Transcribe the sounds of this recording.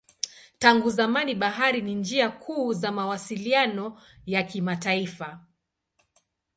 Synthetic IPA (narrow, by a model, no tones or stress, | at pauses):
taŋɡuzamaniɓaɦaɾinind͡ʒiakʰuːzamawasilianɔ | jakimataifa